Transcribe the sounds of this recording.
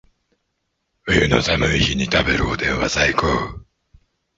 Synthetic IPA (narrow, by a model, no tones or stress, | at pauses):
ɸɯ̟jɯno̞̰samɯ̟içiɲ̟it̪abe̞̰ɾɯ̟od̪ẽ̞ɰ̃βa̰zaikoː